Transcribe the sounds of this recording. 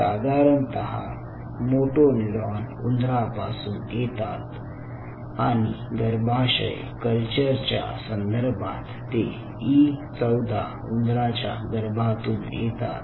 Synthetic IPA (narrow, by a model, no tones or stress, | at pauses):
sad̪ʱaɾənt̪əɦa̰ | moʈoniɾanund̪ɾapasuːnjet̪at̪ | aɽ̃i | ɡəɾbʱaɕə̰j | kəlt͡ɕəɾt͡ɕja̰sənd̪ʱəɾbʱã̰t̪ːe | it͡səwd̪ʱa | und̪ɾat͡ɕja̰ɡəɾbʱat̪uːnjet̪a̰t̪